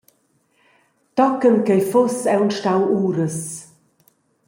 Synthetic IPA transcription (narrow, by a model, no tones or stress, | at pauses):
t̪ɔkənkejfʊsɛwnʃtawuːɾəs